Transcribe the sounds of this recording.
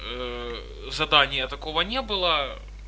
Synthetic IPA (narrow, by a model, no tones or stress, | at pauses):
zɐd̪anʲɪjət̪ɐko̞vənʲebɨlˠə